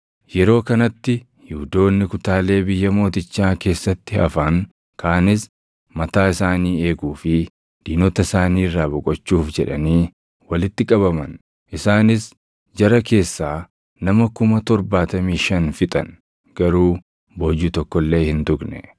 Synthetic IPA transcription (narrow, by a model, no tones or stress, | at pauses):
jɛɾo̞ːkɐnɐt̪ːɪ | hɪʊd̪o̞ːnːɪkʊt̪aːle̞ːbɪjːɐmo̞ːt̪ɪt͡ʃːaːke̞ːsːɐt̪ːɪɐ̰faŋ | kʰaːnɪs | mɐt̪aːɪsaːniːe̞ːɡuːfɪ | d̪̥iːnɔt̪ɐsaːniːrːaːbʊkʼɔt͡ʃːuːfd͡ʒɛᶑɐniː | wɐlɪt̪ːɪkʼɐβɐmɐn | ʔɪsaːnɪs | d͡ʒɐɾɐke̞ːsːaː | nɐmɐkʊmɐt̪ɔɾbaːt̪ɐmiːʃɐnfɪt̪ʼɐn | ɡ̥ɐɾuː | boːd͡ʒuːt̪ɔkːɔlːe̞ːhɪnt̪ʊknɛ̰